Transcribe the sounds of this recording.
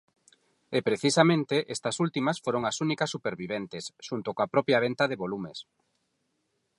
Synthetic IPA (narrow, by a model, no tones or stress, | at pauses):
epɾeθisamẽnt̪eʔest̪ɐsult̪imɐsfoɾoŋɐsunikɐsːupeɾβiβent̪esʃunt̪okoapɾɔpjaβent̪ɐðeβolumes